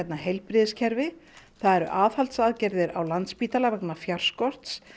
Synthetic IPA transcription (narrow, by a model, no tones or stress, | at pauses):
ɛt̪naɦejlpɾɪːðɪscʰɛɾvɪθaðɛɾʏ̰ʔaːðhalt̪saːðcɛɾðɪɾawlant̪spiːt̪alavɛknafjar̥skɔr̥t̪s